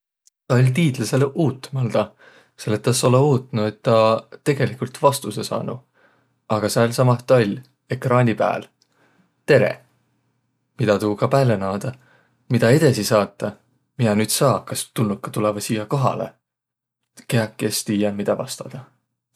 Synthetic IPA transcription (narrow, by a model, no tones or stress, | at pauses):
t̪ɑolʲt̪iːd̪̥lɑselʔuːt̪ːˑmɑld̪̥ɑ | se̞lːet̪ːˑɑso̞leuːt̪nue̞t̪ːɑt̪e̞ɡ̥e̞likult̪vɑst̪use̞sɑ̰ːnṵ | ɑɡ̥ɑsɑolʲsɑmɑt̪ɑlʲ | e̞krɑːnʲipæ̰ːl | t̪e̞ɾḛ | mid̪ɑt̪uhukɑpæːlenɑːd̪̥ɑ | mid̪̥ɑe̞d̪ɑsisɑːt̪ˑːɑ | minɑnyːd̪̥sɑːkɑst̪unːukːˑɑ̥t̪ulevɑsiːjɑko̞ɦɑ̰lḛ | ke̞ɑkːˑest̪iːjɑmid̪̥ɑvɑ̰st̪ɑ̥d̪̥ɑ